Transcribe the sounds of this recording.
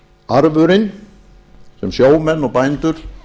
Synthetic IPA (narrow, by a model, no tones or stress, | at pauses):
aɾvʏɾɪn | sɛmsjoːwmɛnːɔɣpajnt̪ʏɾ̥